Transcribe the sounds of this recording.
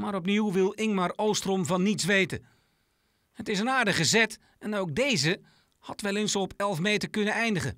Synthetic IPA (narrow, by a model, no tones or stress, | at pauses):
maːɾɔpniwʋɪlˠɪŋmarowstrɔmvɑnːitsʋejtə̰ | hətɪsənaːɹdəχəzɛt | ɛnowk̚dejzə | hɑtʋɛlˠɪnsoɔpɛlˠfmeːtərkɵnəɛjndəɣə̰